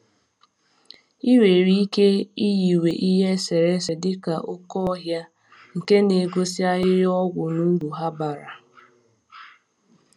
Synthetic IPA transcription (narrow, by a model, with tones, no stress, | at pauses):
i˦ɾe˨ɾi˦i˦ke˦i˦ji˨we˨ʔi˦ɦe˦se˨ɾe˦se˨dɪ˦ka˨ʔʊ˦kɔ˦ɔ˦ɦja˦ | ŋ̩˨ke˦ne˨ɡo˦sɪ˦a˦jɪ˦ɾɔ˦ɡʷʊ˨nu˦ɡu˨ɦa˦ba˨ɾa˨